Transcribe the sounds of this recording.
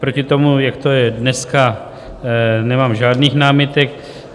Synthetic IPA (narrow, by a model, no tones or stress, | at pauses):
pɾocɪt̪o̞mujakt̪ojɛdnɛska | nɛmaːmʒaːdniːxnaːmɪt̪ɛk̚